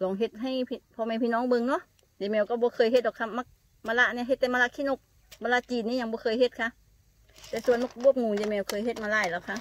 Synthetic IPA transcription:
lɔː˨˦ŋɦe˧˩t̪̚ɦa˧˩˨jpʰi˧pʰɔ˧˦ma˧˨pʰiː˧˨nɔː˧˥˨ŋbɤ˧˨ŋnɔ˧˥˨ | jeː˧˦˨mɛː˧˩wkaː˧˩bɔː˧˦kʰɤː˧˩jhe˧˦t̪̚dɔː˧˨kʰːa˧˩ma˧˥k̚ | maː˧la˧ʔniː˧˥˨ɦe˧˦t̪̚ːɛ˧˨ma˧la˧kʰiː˧˨no˧˩k̚ | maː˧la˧˥t͡ɕiː˨˩nniː˧˨ɲa˧˩ŋbɔː˧kʰɤː˧˥˨jhe˧˦t̪̚kʰa˧˥ʔ | t̪ɛː˧˩su˧ənmɔ˧k̚bu˧˩˨əp̚ŋuː˨˩ŋjeː˧mɛː˧˩wkʰɤː˧˨jhe˧t̪̚maː˧laː˧˩jlaː˧˨kʰa˧˨ʔ

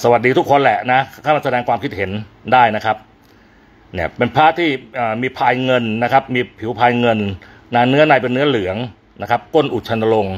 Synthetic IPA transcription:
sa˧wa˨˩t̪̚diː˧t̪ʰu˦˥kʰːo˧nlɛ˨˩na˦˥aː˥˩ma˧˩sa˧dɛː˧ŋkʰwaː˧mkʰi˦˥t̪̚he˩˦ndaː˥˩jna˦˥kʰa˦˥p̚ | ni˦˥˩ɐpe˧npʰaː˥˩t̪ʰiː˥˩ʔaː˨˩miː˧pʰaː˧jŋɤ˧nːa˦˥kʰa˦˥p̚miː˧pʰi˩˦wpʰaː˧jŋɤ˧n | naː˧nɯ˦˥ɐna˧˩jpe˧nːɯ˦˥ɐlɯ˩˦əŋ | na˦˥kʰa˦˥p̚ko˥˩nʔu˨˩t̪̚t͡ɕʰa˧na˧lo˧ŋ

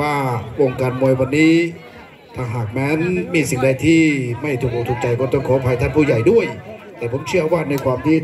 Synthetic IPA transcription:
waː˧˥˩wo˧ŋkaː˧nmu˧əjwa˧nːiː˦˥ | t̪ʰaː˧ŋɦaː˨˩k̚mɛː˦˥nmiː˧si˨˩ŋda˧jt̪ʰiː˥˩ma˥˩jt̪ʰuː˨˩k̚ːt̪uː˨˩k̚t͡ɕa˧jkɔː˧˩t̪ɔ˥˩ŋkʰɔː˨˦pʰa˧jt̪ʰa˥˩npʰuː˧˥˩ja˨˩jdu˥˩əjt̪ɛː˨˩pʰo˩˦mt͡ɕʰi˥˩ɐwaː˥˩na˧jkʰwaː˧mt̪ʰiː˥˩

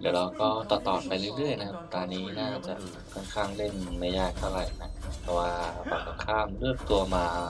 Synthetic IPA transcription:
d̪iː˨˦ɾa˧wkɔː˥˩t̪ɔː˧˩t̪ɔː˨˩t̪̚pa˧jɾɯː˥˩əjlɯ˥˩əjna˦˥kʰa˦˧˥p̚t̪ɔː˧nːiː˦˥naː˥˩t͡ɕa̰˨˩ʔ | kʰɔ˥˩nkʰaː˥˩ŋle˥˩nma˧˥˩jːaː˥˩k̚t̪ʰa˥˩wɾa˧˩jna˦˧˥t̪ɛ˧˩waː˥˩pa˧˩kɔ˧˥˩kʰaː˥˩mlɯ˥˩ək̚t̪u˧əmaː˧

